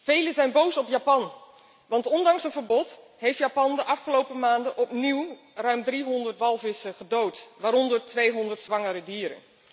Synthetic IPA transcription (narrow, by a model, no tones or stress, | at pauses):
v̥ejləzɛjnbowsɔpjaːpɑn | ʋɑntɔndɑŋsənvəɹbɔt | ɦejftjaːpɑndəʔɑfχəlowpəmaːndəʔɔpniw | rœɥmdriɦɔndərtʋɑlˠvɪsəχədowtʋaːɾɔndəɹtʋejɦɔndəɹtsʋɑŋəɾədiːɾə̰n